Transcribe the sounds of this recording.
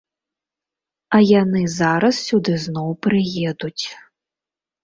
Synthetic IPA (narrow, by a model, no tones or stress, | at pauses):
ɐjanɨzaɾɐssʲud̪ɨznɔwpɾɨjɛd̪ut͡sʲ